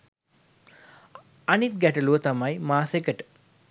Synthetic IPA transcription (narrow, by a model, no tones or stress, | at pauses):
anit̪ɡæʈəluʋət̪amajmaːsekəʈə̥